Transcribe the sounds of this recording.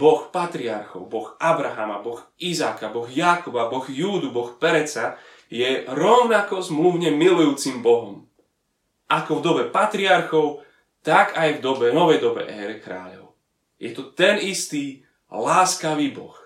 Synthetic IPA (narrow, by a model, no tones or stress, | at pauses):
bɔxpat̪ɾiaɾxɔ̰ʊbɔxabɾaɦaːmabɔɣizaːkabɔɣjakɔbabɔɣjuːd̪ubɔxpɛɾɛt͡sa | jɛɾɔʊnakɔzmluʊɲɛmilujuːt͡simbɔɦɔm | ʔakɔvd̪ɔbɛpat̪ɾiaɾxɔʊ | t̪akajvd̪ɔbɛnɔʋɛjd̪ɔbɛ̰ʔɛːɾɛkɾa̰ːʎɔ̰ʊ | jɛt̪ɔt̪ɛnist̪iː | laːskaʋiːbɔ̰x